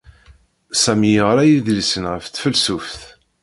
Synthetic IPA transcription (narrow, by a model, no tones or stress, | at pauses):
sæmiəʁɾæjiðlisənʁəfθfəlsufθ